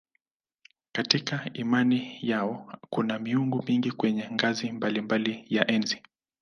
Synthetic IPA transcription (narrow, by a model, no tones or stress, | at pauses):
katikaimanijaɔkunamiuŋɡumiŋɡikwɛɲɛŋɡazimbalimbalijaʔɛnzi